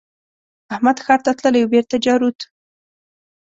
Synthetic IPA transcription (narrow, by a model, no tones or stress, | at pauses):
ahmad̪xɑɾt̪at̪ləlajwbeɾt̪ad͡ʒɑɾut̪